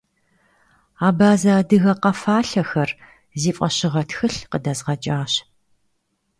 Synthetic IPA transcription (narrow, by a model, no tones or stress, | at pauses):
aːbaːzaːdɨɣɐqɐfaːɬɐxɐr | ziːfʼɐɕɪʁɐtxɨɬqədɐzʁɐt͡ʃʼaːɕ